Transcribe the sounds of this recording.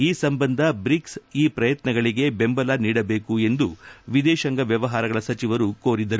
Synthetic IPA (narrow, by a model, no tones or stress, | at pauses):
iːsɐmbɐnd̪ʱɐbɾiksiːpɾɐjɐt̪nɐɡɐɭiɡe̞be̞mbɐlaniːɽɐbe̞ːkue̞nd̪uʋid̪ɛːʃɐŋɡɐʋjɐʋɐɦaːɾɐɡɐɭɐsɐt͡ʃiʋɐɾuko̞ːɾid̪ɐɾu